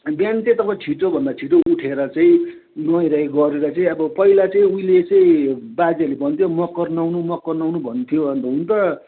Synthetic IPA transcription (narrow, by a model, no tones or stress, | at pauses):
bjant͡set̪ʌpat͡sʰiʈobʱʌnd̪at͡sʰiʈoʔuʈʰeɾʌt͡sʌ̃ĩ | nʌjɾajɡʌɾeɾʌt͡sʌĩʌbʌpʌilat͡sʌĩuĩlet͡sʌĩbad͡zalebʱʌnt̪ʰjomʌkːʌrnawnumʌkːʌrnawnubʱʌnt̪ʰijoʌnt̪ʌɦunt̪ʌ